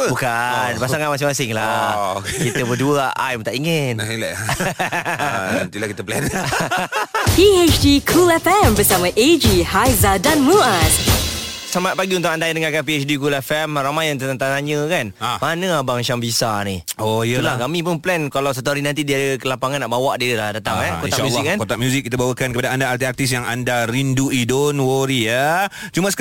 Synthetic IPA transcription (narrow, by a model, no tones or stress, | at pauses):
bukanpassaŋanmasɪŋmasɪŋlakkit̪əbəduəajmt̪aʔiŋɪnlɛ | ant̪ilahkit̪əplɛ̰n | piet͡ʃdikʰulɛfɛ̃mbəsamãʔed͡ʒihajzadãnmuas | samat̪̚paɡiunt̪ʊkandajdəŋakapiɛt͡ʃdik̬ulɛfɛmramajaŋt̪ət̪aŋt̪at̪aɲə̃kanamanə̃abaŋt͡ʃambisaniojəlakamĩpʊnplɛnkalaws̬at̪uaɾinant̪̬idiadəkəlapaŋanːaʔbawaʔdiilahdat̪aŋakonaʔmjulːikankot̪aʔ̚mjuzik̚ːit̪abawəkankəpadaandaːt̪iak̚t̪isjaŋa̰ndaɾinduidonwoɾija | t͡ʃumasə̥